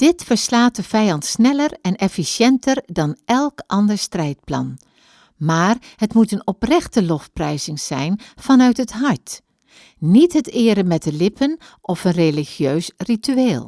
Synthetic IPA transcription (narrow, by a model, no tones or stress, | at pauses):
d̥ɪtfəɹslaːt̚dəvɛjɑntsnɛləɹɛnɛfisjɛntʰəɹdɑnɛlˠkʔɑndəɹstrɛjt̚plɑ̰n | maːrɦətmutənɔprɛχtəlɔfprɛjzɪŋz̥ɛjnv̥ɑnœɥtɦətɦɑɹt | nitɦətɪːɾəmɛt̚dəlɪpʰən | ʔɔfənreliχjøɥsrityeːlˠ